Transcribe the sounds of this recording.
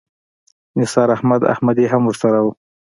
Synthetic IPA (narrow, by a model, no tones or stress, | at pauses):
nɪsɑɾahmad̪a̰hmad̪iɦamwʊʐsaɾawu